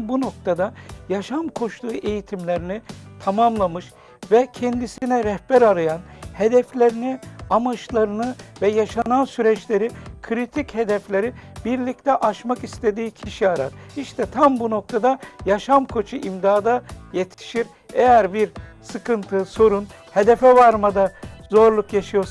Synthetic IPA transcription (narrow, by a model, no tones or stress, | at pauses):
buno̞k̚t̪ʰad̪ajaʃamkʰo̞ʃlˠuːʔe̞jit̪ʰimlʲeɾinit̪ʰamamlˠamɯʃ | vɛcʰɛnd̪isinɛɾɛhbæɾaɾajanhe̞d̪ɛflʲeɾiniamat͡ʃlˠaɾɯnɯvɛjaʃanansyɾɛt͡ʃlʲe̞ɾikʰɯɾit̪ʰiche̞d̪ɛflʲe̞ɾibiɾlʲict̪ʰɛʔaʃmakist̪ʰe̞d̪iːcʰiʃiaɾa̰ɾiʃt̪ʰɛt̪ʰambuno̞k̚t̪ʰad̪ajaʃamkʰo̞t͡ʃʰɯʔimd̪aːd̪ajet̪ʰi̥ʃiɾ | ejæɾbiɾsɯkɯnt̪ʰɯso̞ɾun | he̞d̪ɛfɛvaɾmad̪azo̞ɾlˠukjaʃɯjo̞ɾs